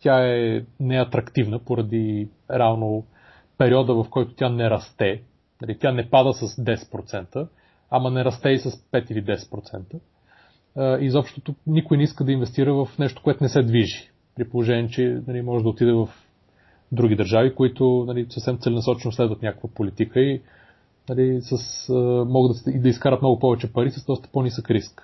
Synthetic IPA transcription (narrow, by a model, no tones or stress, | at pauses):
t̪ʲaɛnɛɐt̪ɾɐkt̪ivnəpoɾɐd̪i | ɾɛavno | pɛɾiɔd̪əvɐfkɔjt̪ʊ̥t̪ʲjanɛɾɐst̪ɛ | nɐlit̪ʲjanɛpad̪əsəsd̪ɛsɛ̥t̪pɾot̪sɛnt̪ə | amɐnɛɾɐst̪ɛisɐspɛt̪ilid̪ɛsɛ̥t̪̚pɾot̪sɛ̰nt̪ə | izɔpʃt̪ot̪unikʊjnɛiskəd̪ɐinvɛst̪iɾəvɐfnɛʃt̪o̥koɛt̪ʊnɛsɛd̪viʒi | pɾipolˠoʒɛnʲɛɛt͡ʃɛnɐlimɔʒɛd̪ɐot̪id̪ɛvɐf | d̪ɾuɡʲid̪əɾʒavikoit̪ʊnɐlisəfsɛmt̪sɛlɛnɐsɔt͡ʃɛnoslɛd̪vət̪nʲakə̥kvəpolit̪ikəi | nɐlisəsəmɔɡəd̪sid̪ɐiskaɾət̪mnɔɡʊpɔvɛt͡ʃɛpɐɾisəzd̪ɔst̪ə̥ponisəkɾisk